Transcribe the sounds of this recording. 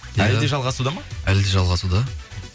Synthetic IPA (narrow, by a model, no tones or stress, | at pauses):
jæld̪eʒɑlˠʁɑsud̪ɑmɑæld̪e̞ʒɑlˠʁɑsud̪ɑ